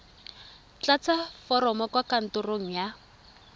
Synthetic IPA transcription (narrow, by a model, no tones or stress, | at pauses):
t͡ɬat͡safɔrɔmɔkwakan̩tʊroŋ̩ja